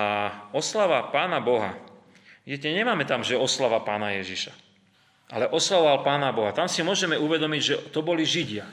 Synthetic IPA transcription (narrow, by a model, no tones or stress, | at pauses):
aɔslaʋapaːnabɔɦa̰ | ʋiɟicɛɲɛmaːmɛt̪amʒɛɔslaʋapaːnajɛʒiʃa | ʔalɛʔɔslaʋɔʋalpaːnabɔɦat̪amsimʊɔʒɛmɛuʋɛd̪ɔmiɟʒɛt̪ɔbɔliʒiɟɪa